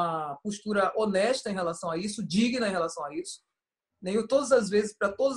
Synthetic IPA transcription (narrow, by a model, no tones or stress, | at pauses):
ɐpoʃt̪uɾɐʔonɛʃt̪ɐẽɦelasɐ̃w̃aisʊd͡ʒiɡnɐẽhelasɐ̃w̃aisʊ̥ | nẽj̃ʊt̪od̪ɐzɐzvezɪspɾɐt̪od̪ɐz